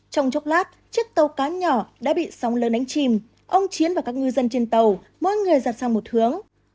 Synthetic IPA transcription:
t͡ɕɔ˧wŋ͡mt͡ɕɔ˦˥wk͡p̚laː˦˥t̚t͡ɕɨ˦˥ək̚t̪ə˨˩wkaː˨˦ɲɔ˧˩ɗa̰ː˧˥ɓḭ˧˨sɔ˨˦wŋ͡mləː˨˦nɗa˨˦jŋ̟t͡ɕi˨˩m | ʔə˧wŋ͡mt͡ɕi˨˦ənvaː˨˩kaː˦˥k̚ŋɨ˧zə˧nt͡ɕe˧nt̪ə˨˩w | mo̰˧˥jŋɨ˨˩əjzaː˨˩t̚saː˧ŋmo˨˩t̚hɨ˨˦əŋ

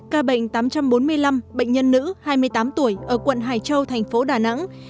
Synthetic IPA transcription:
kaː˧ɓə̰˧˨ŋ̟t̪aː˨˦mt͡ɕa˧mɓo˨˦nmɨ˧əjla˧mɓə̰˧˨ŋ̟ɲə˧nːɨ̰˧˥haː˧jmɨ˧əjt̪aː˨˦mt̪u˧˩əjʔəː˧˩kwə̰˧˨nɦaː˨˩jt͡ɕə˧wt̪ʰɛ˨˩ŋ̟fo˨˦ɗaː˨˩na̰˧˥ŋ

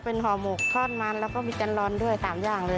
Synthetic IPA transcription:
pe˧nɦɔː˨˦mo˨˩k̚t̪ʰɔː˧˥˩nmaː˧nlɛː˦˥wkɔː˥˩miː˧t͡ɕa˧nlɔː˧ndu˥˩əjsaː˩˦mjaː˧˩ŋlɤː˧

